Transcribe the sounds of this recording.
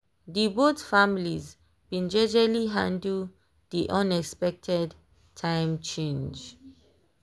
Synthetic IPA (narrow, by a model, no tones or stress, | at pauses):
dibotfamiliz | bĩnd͡ʒɛd͡ʒaliɦãndə | diʔãnɛkspɛk̚tʰɛd | tʰãɪ̃mt͡ʃẽnd͡ʒ